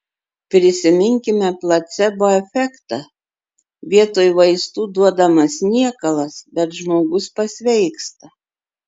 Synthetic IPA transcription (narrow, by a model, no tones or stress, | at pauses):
pʲɾʲɪsʲɪmʲɪŋʲkʲɪmʲɛplˠɐt̪sʲɛbʊʋːɛfʲɛkt̪ɐ | ʋʲiɛt̪oːjʋɐɪst̪uːd̪uɔd̪ɐmɐsnʲiɛkɐlˠɐsbʲɛt̪ʒmoːɡʊspɐsʲʋʲɛɪkst̪ɐ